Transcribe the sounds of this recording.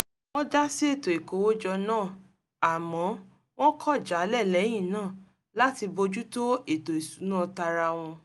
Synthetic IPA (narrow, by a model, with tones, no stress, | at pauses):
w̃ɔ̃˦da˦si˦e˦˨to˨e˨ko˨˦wo˦d͡ʒɔ˧nãː˦˨ | a˨mɔ̃˨˦ | w̃ɔ̃˦kʰɔ˦˨d͡ʒa˨˦lɛ˦˨lɛ˨˦j̃ĩ˦˨nãː˦˨ | la˦ti˧bo˧d͡ʒu˦to˦e˨to˨i˨su˨˦nãː˦˨ta˧ɾa˧w̃ɔ̃˧